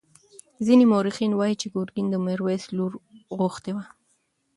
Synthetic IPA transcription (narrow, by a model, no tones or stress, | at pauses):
zinimoɾixinwɑjit͡ʃeɡoɾɡind̪əmeɾwesluɾɣʊxt̪ewa